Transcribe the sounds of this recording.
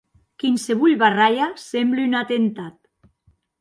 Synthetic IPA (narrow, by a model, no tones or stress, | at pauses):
kinseβuʎβaraʎasemblynat̪ent̪at̪